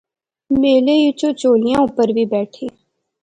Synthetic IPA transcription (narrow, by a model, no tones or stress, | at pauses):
meːlejʊt͡ʃot͡ʃoːlɪjãʊpəɾbʱibɛːʈʰeː